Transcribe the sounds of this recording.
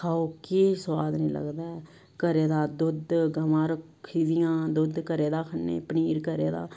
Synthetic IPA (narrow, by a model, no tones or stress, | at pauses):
kʰaːoːkeswaːd̪nĩːlə̰ɡd̪aː | kəɾeːd̪aːd̪ʊd̪ɡəʋãːɾək | kʰːiːd̪ɪjãːd̪ʊd̪kəɾeːd̪aːkʰənːḛːpəniːɾkəɾeːd̪a̰ː